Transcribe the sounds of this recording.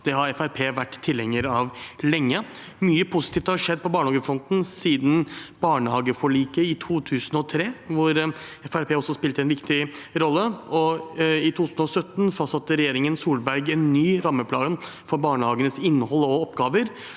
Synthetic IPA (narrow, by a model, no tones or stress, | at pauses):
d̪̥ɛɦɑɾɛfæɾpʰeːʋæʈːt̪ʰːɪlhɛŋəɾɑʋlɛŋːə | myːəpʰʊsɪt̪iːft̪hɑʂɛd̪̚ːpʰɔbɑːɳəhɑːɡəfɾɔnt̪n̩siːd̪n̩b̥ɑːɳəhɑːɡəfɔɭiːkəɪt̪ʰuːt̪ʰʉːsn̩ɔt̪ʰɾeːʋʊɾɛfæɾpʰeːɔsːɔspɪlt̪əɛnʋɪkt̪ɪɾɔlːəɔɪt̪ʰuːt̪ʰʉːsn̩ɔsœt̪ːn̩fɑst̪sɑt̪ːəɾɛjeːɾɪŋənsuːlbæɾɡɛnːyːɾɑmːəpʰlɑːɡnfɔɾbɑːɳəhɑːɡənəsɪnːəhɔlːɔɔpɡɑːʋəɾ